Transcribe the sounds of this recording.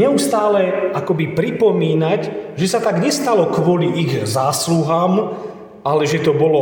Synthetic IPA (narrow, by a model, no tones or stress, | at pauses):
ɛust̪aːlɛakɔbipɾipɔmiːnaɟʒɛsat̪aɡɲɛst̪alɔkʋɔliʔiɣzaːsluɦaːm | ʔalɛʒɛt̪ɔbɔlɔ